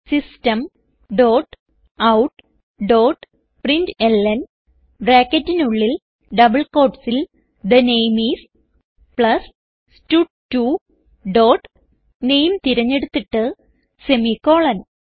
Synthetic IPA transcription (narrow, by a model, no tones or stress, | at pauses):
sistɐm | ɖoːʈ | ɐwʈ | ɖoːʈ | prindelːɐn | bɾaːkːɐtːinuɭːil | ɖɐbɐɭko̞ːʈsil | d̪ɐnejmiːs | pɭɐs | stuʈ̚tːu | ɖoːʈ | ne̞jmt̪iɾɐɲːe̞ɽut̪ːiʈːɨ | se̞miko̞ːɭɐn